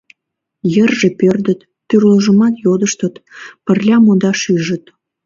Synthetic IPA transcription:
jərʒepørd̪ət̪ːyrləʒə̆mɑt̪jod̪əʃt̪ət̪pərlʲɑmod̪ɑʃyʒə̆t̪

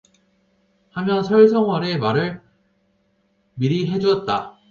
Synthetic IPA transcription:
hamjʌnsʰʌɭsʰʌŋɦwʌɾe̞maɾɯɭ | miɾiɦe̞d͡ʑuʌt̚t͈a

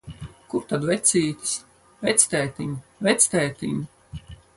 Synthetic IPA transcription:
kuɾt̪ad̪vɛt̪siːt̪ʲi̥s | vɛt̪sʲt̪ɛːt̪iɲuvɛt̪sʲt̪ɛːt̪ʲḭɲu

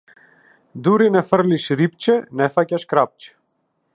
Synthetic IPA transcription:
d̪uɾinɛfəɾliʃɾip̚t͡ʃɛnɛfacaʃkɾap̚t͡ʃ

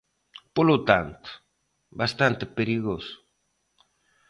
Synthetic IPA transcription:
polot̪ant̪ʊ̥ | bast̪ant̪epeɾiɣosʊ̥

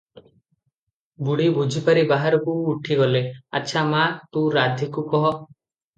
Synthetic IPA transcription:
buɽibud͡ʒʱipaɾibaɦaɾɔkuːʈʰiɡɔlea̰tːʃʰamat̪ũɾad̪ʱikukɔɦɔ

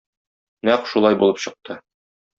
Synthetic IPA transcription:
næqʃulˠɑjbulˠɤpɕɤ̆q̚t̪ɤ

